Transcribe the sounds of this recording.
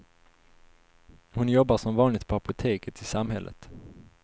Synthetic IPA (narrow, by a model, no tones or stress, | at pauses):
hʊnjɔbːaʂɔmvɑːnlɪk̚t̪pʰɔapʊt̪ʰeːkət̪ʰɪsamɦɛlʔə̰t̪